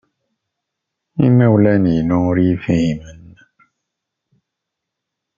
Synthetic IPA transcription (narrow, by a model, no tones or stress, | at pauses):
inɛwulɛninɔ̃ɾifĩimɛnː